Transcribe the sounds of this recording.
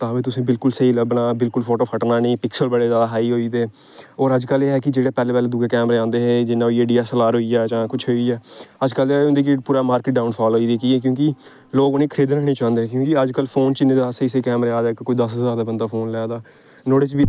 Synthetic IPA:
t̪ãːbiːt̪ʊsĩːbɪlkʊlsəiːləbnaːbɪlkʊlfʰoːʈoːpʰəʈnaːnẽːpɪksəlbəɽeːzaːd̪aɦaːiːɦoːit̪eː | ɔːɾəd͡ʒkəleːɦɛːkɪd͡ʒeːɽeːpɛːleːpɛːleːd̪ʊːɡeːkɛːmɾãːnd̪eːɦɛ̃ːd͡ʒɪnːãːoieːɖiːaːsəlaːɾɦoːiɛːt͡ʃãːkʊt͡ʃʰɦoːiːɛːəd͡ʒkəleõnd̪eːk̬ɪpuːɾaːmaːɾkɪʈ̚ɖaːʊnpʰaːloːiːd̪eːkiɛːk̬jõːkɪ | loːɡonẽːkʰəɾeːd̪ɾəknẽːt͡ʃãːnd̪eːɛ̃kjõːkɪəd͡ʒkəlpʰoːnt͡ʃɪnːẽːd͡ʒ̪asəiːseiːkɛːmɾaːd̪aːkkoːiːd̪əsɦəəzaːɾd̪aːbənd̪aːpʰoːnlɛd̪aː | noːɽet͡ʃbiː

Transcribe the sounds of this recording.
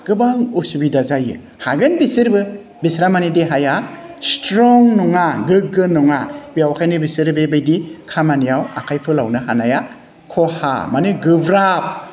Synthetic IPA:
ɡ̥ɯbaŋuɾsubidazajɯ̰ | haɡɯnbisɯɾbɯ | bisɾamanideɦajastɾɔŋnɔŋaɡɯɡɯnɔŋabijawkʰajnɯbisɯɾbebɯjdikʰamanijawa̰kʰajpʰɯlawnɯɦanaja | kʰɔha̰manɯɡɯbɾap̚

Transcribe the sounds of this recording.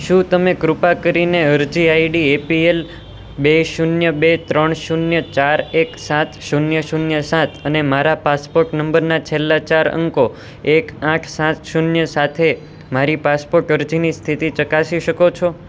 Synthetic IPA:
ʃũt̪əmekɾupakəɾineəɾd͡ʒiaiɖiepiel | beʃunjəbet̪ɾəɳʃunjət͡ʃaɾeksãt̪ʰʃunjəʃunjəsãt̪ʰənemaɾapaspoɾʈnəmbəɾnat͡ʃʰelːat͡ʃaɾə̰ŋko | ekãʈʰsãt̪ʃunjəsat̪ʰe | maɾipaspoɾʈəɾd͡ʒinist̪ʰit̪it͡ʃəkasiʃəkot͡ʃʰo

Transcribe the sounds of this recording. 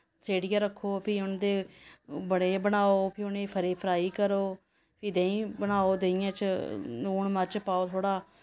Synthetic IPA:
seːɽɪjãːɾəkʰːoːpʰɪːʊnd̪eːbəɽeːbəɽaːoːpʰɪʊnẽːpʰəɾeːpʰəɾaːiːkəɾoː | pʰɪːd̪ẽːĩːbəñaːoːd̪eːɪjãːt͡ʃnoːɳmət͡ʃpaːoːt̪ʰoːɽaː

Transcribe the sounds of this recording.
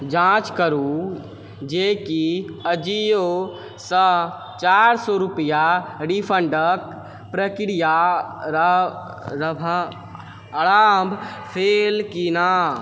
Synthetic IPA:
d͡ʒãt͡ʃkəɾu | d͡ʒekiəd͡ʒijo | sə̃ | t͡ʃaɾsɔɾupijaɖipʰəɳɖək | pɾəkiɾijaɾ | ɾəbʱ | əɾambʱpʰelkina

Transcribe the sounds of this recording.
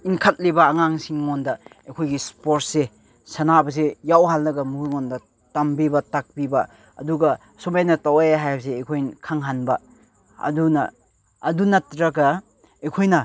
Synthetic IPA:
iŋkʰɐt̚libɐːŋaŋsiŋŋondɐekʰojɡispoɾt̚se | sɐnabɐs̬ejawɦalnɐɡɐmuɾŋondɐ | tɐmbibɐtak̚bibɐ | ɐ̰duɡɐ | somajnɐtawajaɦajabs̬eːkʰojnkʰaŋɦanbɐ | ɐ̰dunɐ̰ː | dunɐtɾɐɡɐ | ekʰojnɐ

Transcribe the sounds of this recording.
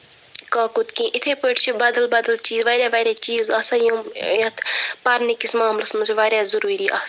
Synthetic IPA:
kɐːkut̪kĩʔit̪ʰepəʈt͡ʃʰibɐd̪ɐlbɐd̪əlt͡ʃiːzʋɐɾʲjaːʋɐɾʲaːt͡ʃiːzɐsajũjɐt̪ʰpɐɾnikismaːmlɐsmɐsʰʋaːɾʲjaːzɐɾuːɾiːʔɐ̰s

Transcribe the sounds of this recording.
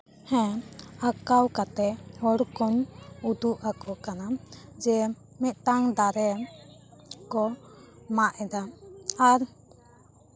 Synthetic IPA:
hɛ̃akawkat̪ɛhɔɽkɔnud̪uʔakɔkanad͡ʒɛ | mɛc̪̚t̪aŋd̪aɾɛ | kɔmaʔɛd̪aaɾ

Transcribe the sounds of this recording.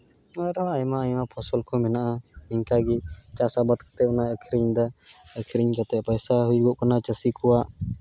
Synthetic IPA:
aɾaajmaajmapʰɔsɔlkʰɔmɛnaʔaiŋkaɡit͡ʃasabət̪̚kḁt̪ɛɔnaəkʰɾiɲd̪aəkʰɾiɲkat̪ɛpəjsaɦujɡɔʔkanat͡ʃəsikɔwaʔ

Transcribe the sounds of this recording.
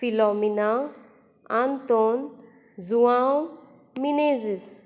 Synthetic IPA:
filɔmina | ant̪on | zuaw | minezis

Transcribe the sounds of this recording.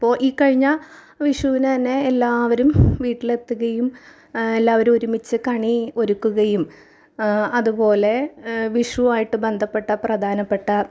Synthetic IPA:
ɐpːo̞ːʔiːkɐɻiɲːɐ | ʋiʂuʋinɨt̪ɐnːe̞ːlːaːʋɐɾumʋiːʈːile̞t̪ːuɣɐjum | elːaːʋɐɾumoɾumit͡ɕːɨkɐɳio̞ɾukːuɣɐjum | ɐðupo̞ːle̞ʋiʂuaːjiʈːɨbe̞nd̪ʱɐpːe̞ʈːɐprɐd̪ʱaːnɐpːe̞ʈːɐ

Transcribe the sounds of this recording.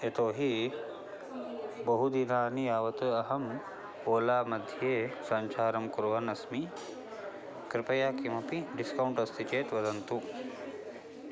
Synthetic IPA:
et̪oːɦi | bɐɦud̪inaːniaːʋɐt̪ɨɐɦɐm | oːlaːmɐd̪ʱijeːsɐɲt͡ʃʰaːɾɐmkuɾʋɐnɐsmi | kɾɪpɐjaːkimɐpiɖiskɐwɳʈɐst̪ʰit͡ʃeːt̪ʋɐd̪ɐnt̪u

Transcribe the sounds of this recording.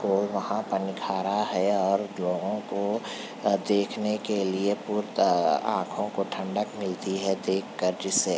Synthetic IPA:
kolʋɐhãpɐɾnɪkʰaːɾaɦɛɔːɾdloːɡõko | d̪eːkʰnekeliepuːɾt̪ã̰ːkʰõkoʈʰɐ̃ɳɖəkmɪlt̪iɦɛd̪eːkʰːəɾd͡ʒɪsːe

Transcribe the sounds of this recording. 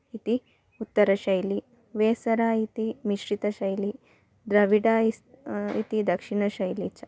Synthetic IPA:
it̪i | ut̪ːəɾɐɕɐjli | ʋesɐɾait̪imiɕɾit̪ɐɕɐjli | d̪ɾɐʋiɽaiḭt̪id̪ɐkʂiɳɐɕɐjlit͡ɕa

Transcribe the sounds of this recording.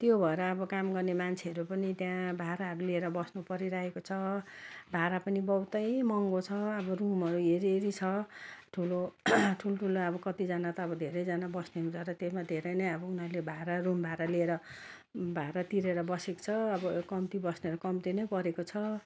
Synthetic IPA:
t̪jobʱʌeɾʌːbʌkamɡʌrnemant͡sʰeʌɾupʌnit̪jãbʱaɾaɦʌɾulieɾʌbʌsnupʌɾiɾaekot͡sʰʌbʱaɾapʌnibʌwt̪ʌjmʌŋɡot͡sʰʌːbʌrumɦʌɾueɾieɾit͡sʰʌʈʰuloʈʰulʈʰuloʌbʌkʌt̪id͡zanat̪ʌːbʌd̪ʱeɾʌjd͡zanabʌsneunt͡sʰʌɾʌt̪esmad̪ʱeɾʌjnʌjʌbʌunɦʌɾulebʱaɾarumbʱaɾalieɾʌ | bʱaeɾʌt̪iɾeɾʌbʌseko̥t͡sʰʌːbʌkʌmt̪ibʌsneʌɾukʌmt̪inʌjpʌɾekot͡sʰʌ

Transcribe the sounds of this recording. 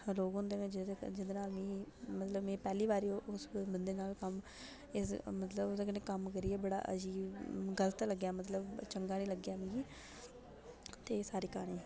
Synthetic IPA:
loːɡɦʊ̃nd̪eːʋẽːd͡ʒ̪d͡ʒɪd̪eːnaːlmĩːmət̪ləbmẽːpɛːliːbaːɾioʔʊsbənd̪eːnaːlkəm | ɪsmət̪ləbod̪aːkənẽkəmkəɾiːɛːbəɽa̰ːʔə̰d͡ʒiːɡələt̪ləɡːjaːmət̪ləbt͡ʃəŋɡaːnĩːləɡːjaːmĩːɡiː | t̪eːsaːɾiːkaːɽ̃ĩː

